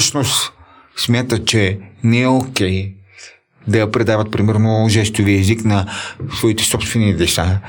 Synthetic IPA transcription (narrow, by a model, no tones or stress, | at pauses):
əʃnost̪ | smʲjat̪ət͡ʃɛnɛɛokʲɛj | d̪ɐjɐpɾɛd̪avət̪̚pɾimɛɾnoʒɛst̪iviɛziknɐsvɔit̪ɛ̥sɔpst̪vɛnid̪ɛsa